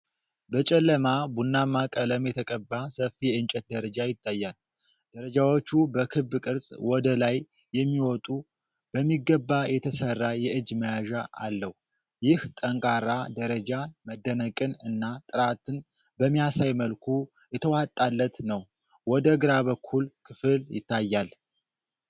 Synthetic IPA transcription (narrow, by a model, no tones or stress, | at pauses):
bət͡ʃʼɛlːəmabunːamakʼələmjɛt̪ʰəkʼəbːasəfijɛɨnt͡ʃʼɛt̪̚d̪əɾəd͡ʒajɪt̪ʼːajːal | d̪̥əɾəd͡ʒawo̞t͡ʃːubəkʰɨbːkʼɨɾsʼwɔd̪əlajː | ɛmːiwɔt̪ʼu | b̥əmːiɡəbːajɛt̪ʰəsərːajɛʔɨd͡ʒːməjaʒaʔa̰lːəhu | jɪht̪ʼəŋkʼaɾːad̪əɾəd͡ʒaməd̪ːənəkʼɨnɨnːat̪ʼɨɾat̪ɨn | bəmːijasajməlkʰu | jɛt̪ʰəwat̪ʼːalːət̪nəw | wɔd̪əɡɨɾaβəkʰːulkʰɨfɨljɪ̰t̪ːajːal